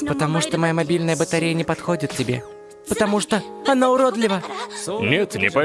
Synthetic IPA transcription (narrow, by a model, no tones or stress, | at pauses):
pət̪ɐmuʂt̪omɐjamɐbʲilʲnəjəbət̪ɐɾʲejənʲɪpɐt̪xodʲɪt̪̚tʲɪbʲḛ | pət̪ɐmuʂt̪oɐnaʊɾod̪lʲɪvənʲet̪nʲɪ̰pɐ